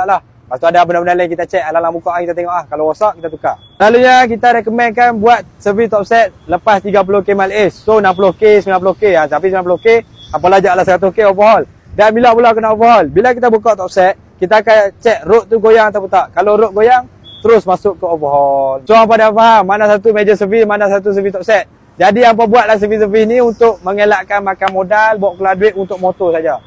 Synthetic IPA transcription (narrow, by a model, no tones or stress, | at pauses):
aʔlah | paʔ̚t̪uadabənabəndalajkit̪at͡ʃɛʔalalaŋbukaʔŋkit̪at̪eŋɔʔlahkalowosaʔkit̪at̪uka | laluɲak̬it̪aɾɛkəmɛnkanbuat̪̚səvit̪ɔp̚sɛt̪̚ləpast̪iɡap̬ulokemɛlɛsːonamp̬ulohkesəmilanpulohkeat̪ap̬isəmianpulohke | ap̬alad͡ʒaʔlahs̬əɾat̪̬uhkeopəɦɔl | danmilaʔpulakanaʔofəɦɔlbilakit̪abukɔʔt̪ɔp̚sɛt̪̚kit̪aːkat͡ʃɛʔ̚ɾoʔt̪uɡojaŋat̪awp̬ut̪aʔkaloɾʊʔ̚ɡojaŋ | t̪əɾʊsmasʊʔkəovəɦɔlsoaŋp̬adafaɦamːanasat̪umed͡ʒəsəvismanas̬at̪̬us̬əvit̪ɔp̚sɛt̪̚ | d͡ʒadiamp̬abuat̪̚lahs̬əvis̬əvisniunt̪ʊʔ̚məŋelaʔkanmakanmodalbuaʔkəladuɪʔunt̪ʊk̚mot̪osad͡ʒa